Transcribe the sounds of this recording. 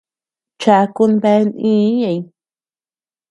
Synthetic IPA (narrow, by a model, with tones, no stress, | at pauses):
t͡ʃa˧ku˧nbe˧nĩ˧˦ja˧˨j